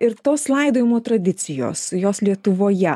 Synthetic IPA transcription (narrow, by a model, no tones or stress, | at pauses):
ɪɾt̪oːslˠɐɪd̪oːjɪmoːt̪ɾɐd̪ʲɪt̪sʲɪjo̰ːsjoːslʲiɛt̪ʊʋoːjɛ